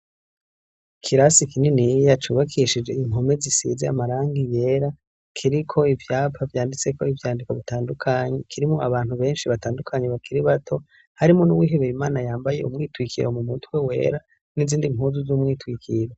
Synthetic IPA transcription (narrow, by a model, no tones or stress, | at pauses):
kʰiɾasikinenijat͡ʃuːβakʰiʃid͡ʒe̞iŋɦo̞me̞zisḭːzea̰maɾaːŋɡije̞ːɾa | kʰiɾikʰo̞ivjaːpavjaːndit͡se̞ko̞ivjaːndikoβitaːndukʰaɲekʰiɾimoʔaβaːnhuβe̞ːnʃiβataːndukʰaɲeβakiɾiβatʰo̞ | haɾimonuwiːɦe̞βeɾimaːnajaːmbaje̞̰ʔumŋiːtwikʰiɾo̞mumutwe̞we̞̰ːɾa | niziːndimuːnzuzumŋiːtwiːkʰiɾo